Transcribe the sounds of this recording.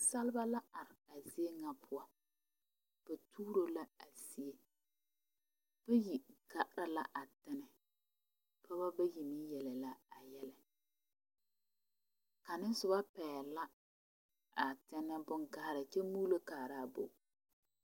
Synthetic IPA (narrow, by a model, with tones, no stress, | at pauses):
sa˦lba˦la˦a˨ɾɪ˨a˨zi˦e˦ŋa˨pʰʊ˦a˦ | b̥a˨tuː˦ɾo˦la˦a˨si˦e˦ | b̥ɛ˦ji˨ɡa˨ʔɾa˦la̰˦ʔa˨tɪ˦nɛ˨ | pʰa˦ba˦ba˦ji˨ni˦jɛ˨lɛ˨la˦a˨jɛ˦lɛ˨ | ka˨nɪ˦n˦sʊ˨ba˦pɛː˨la˦ | a˨tɪ˦nɛ˦bʊ˦ŋɡa˦˨ɾa˨t͡ʃɛ˦muː˦lo˦kaː˨ɾa˦˨bo̰˨